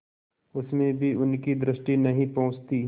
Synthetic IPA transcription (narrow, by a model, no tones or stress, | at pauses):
ʊsmẽbʱiʊnkid̪ɾɪʃʈinɐɦĩpɐ̃ɦʊ̃t͡ʃt̪i